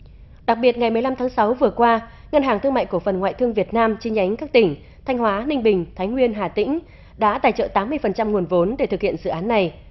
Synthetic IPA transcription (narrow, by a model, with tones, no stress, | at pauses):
ɗa˨˩k̚ɓi˨˩ət̚ŋa˨˩jm˨˩jla˧mt̪ʰaː˨˦ŋsa˨˦wvɨ˨˩əkwaː˧ | ŋə˧nɦaː˨˩ŋt̪ʰɨ˧əŋma̰ː˧˨jku˧˩əfə˨˩nŋwa̰ː˧˨jt̪ɨ˧əŋvi˨˩ət̚naː˧mt͡ɕi˧ɲa˨˦jŋ̟kaː˦˥k̚t̪ï˧˩ŋ̟ | t̪ʰa˧jŋ̟hwaː˨˦nï˧ŋ̟ɓï˨˩ŋ̟t̪ʰa˨˦jŋwi˧ənɦaː˨˩t̪ḭ̈˧˥ŋ̟ | ɗa̰ː˧˥t̪aː˨˩jt͡ɕə̰ː˧˨t̪aː˨˦mːɨ˧əjfə˨˩nt͡ɕa˧mŋu˨˩ənvo˨˦nɗe˧˩t̪ʰɨ˨˩k̚hḭ˧˨ənzɨ̰˧˨ʔːnːa˨˩j